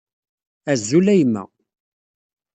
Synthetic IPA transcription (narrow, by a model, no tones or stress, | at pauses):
æzːulæjmæ̰